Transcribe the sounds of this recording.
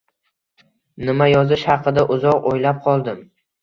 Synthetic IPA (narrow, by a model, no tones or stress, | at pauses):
nɪmajɒzɪʃhɑqʰɨd̪aʔʊzɒqojlap̚qʰɒlˠd̪ɪm